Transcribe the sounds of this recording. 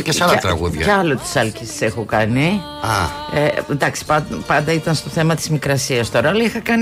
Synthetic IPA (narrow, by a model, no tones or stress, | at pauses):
cesealɐt̪ɾɐɣuðʝɐ̰ɐlot̪i̥sɐlcissexokɐni | ɐend̪ɐksi̥pɐpɐnd̪ɐit̪ɐnst̪o̞θe̞mɐt̪i̥zmikɾɐsiɐst̪oɾolixɐkɐn